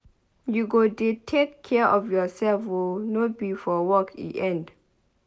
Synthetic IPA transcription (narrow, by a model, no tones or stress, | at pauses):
juɡodetʰekʰːɛəʔɔfjɔsɛlfonobifɔwɔkʰḭʔɛ̃nd